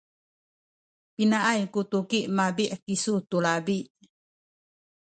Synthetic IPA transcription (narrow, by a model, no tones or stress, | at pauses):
pinaʔajkut̪ukiʔmabiʔkisut̪ulabiʔ